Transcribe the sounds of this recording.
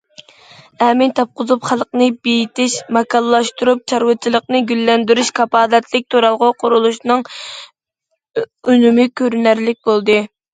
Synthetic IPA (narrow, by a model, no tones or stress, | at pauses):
ɛmɪnt̪ʰɑp̚qʊzupχælˠqnɨbejit̪ɪʃmɑkʰɑlˠːɑʃt̪uɾup̚t͡ʃʰɑɾwɨt͡ʃʰilˠəqnɨɡʲylːɛnd̪yɾyʃkʰɑpɑːd̪ɛt̪lɪk̚ʲt̪ʰoɾɑlˠʁʊqʰʊɾulˠuʃnɨŋ | ynymɪkʲʰøɾynæɾlɪk̚ʲbolˠd̪ɨ